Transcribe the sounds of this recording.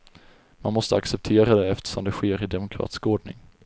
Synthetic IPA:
manmɔst̪əaksɛp̚t̪ʰeːɾad̪ɛɛft̪ə̥ʂɔmd̪ɛɧeːɾɪd̪ɛmʊkʰɾɑ̰ːt̪ɪ̥skoːɖɳɪ̰ŋ

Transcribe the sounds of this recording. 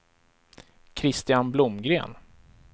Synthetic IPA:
kʰɾɪst̪ɪjanblʊmɡɾḛːn

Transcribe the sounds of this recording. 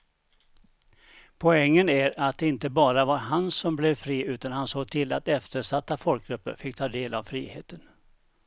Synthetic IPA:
pʰɔɛŋːənæɾat̪̚d̪ɛɪnt̪əbɑːɾavaɾɦansɔmblɛvfɾiːʉ̟ːt̪anhansoːɡ̚t̪ʰɪlːa̰t̪ɛft̪əɾʂat̪ːafɔlk̚ɡɾɵpːə̰ɾfɪkːt̪ʰɑːd̪eːlavfɾḭːhḛːt̪ən

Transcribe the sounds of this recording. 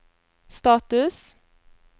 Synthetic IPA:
st̪ɑːt̪ʉs

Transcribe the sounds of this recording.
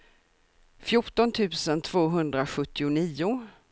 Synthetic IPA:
fjʊʈɔnt̪ʰʉ̟ːsənt̪ʰv̥oːɦɵnd̪ɾaɧɵt̪ːɪʊniːʊ

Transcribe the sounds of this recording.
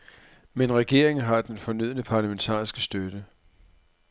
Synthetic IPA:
menʁɛɡ̥e̝ɐe̝ŋn̩ɦɑ̈d̥enfɒ̽nyð̞̰ˠnəpʰɑ̈ːlament͡sʰɑ̰̈ːisɡ̥əsd̥ød̥ə

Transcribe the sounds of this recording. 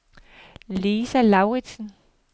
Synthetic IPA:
liːsælɑ̈ʊʁid̥sn̩

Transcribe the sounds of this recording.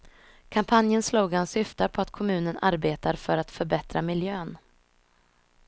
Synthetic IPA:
kʰampʰanjənsluːɡansʏft̪apʰɔat̪kʰɔmʉ̟ːnənʔaɾbeːt̪aɾfœɾat̪fœɾbɛt̪ɾamɪljøːn

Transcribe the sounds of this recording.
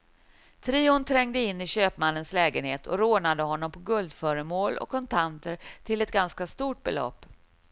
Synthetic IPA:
t̪ʰɾiːʊnt̪ʰɾɛŋd̪əɪnːɪɕøːpmanːənslɛːɡənheːt̪ʰɔ̰ɾoːnad̪əhɔnːɔmpʰɔɡɵld̪fœːɾəmoːlɔ̰kʰːɔnt̪ʰant̪əɾt̪ʰɪlɛt̪̚ɡanskast̪uːʈ̚bɛ̰lɔ̰pː

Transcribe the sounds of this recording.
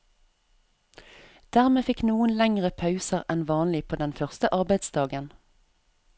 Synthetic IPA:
d̪̥æːʁmeːfɪknuːənlæŋʁəpʰɑʉsəʁɛnʋɑːnlɪpʰoːd̪ɛnfœʁst̪əʔɑʁbæɪd̪sd̪ɑːɡən

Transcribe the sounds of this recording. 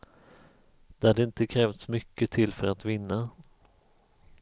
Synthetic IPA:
d̪̥ɛhad̪əɪnt̪əkʰɾɛːft̪smʏkːət̪ʰɪlːfœɾat̪vɪnːa

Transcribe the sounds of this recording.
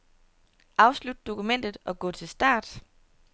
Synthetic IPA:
ʔɑ̈ʊslud̥̚d̥o̝kumen̰d̥ð̞̩ˠɒ̽ɡ̥ɔ̰̽ːt͡sʰe̝lsd̥ɑ̰̈ːd̥

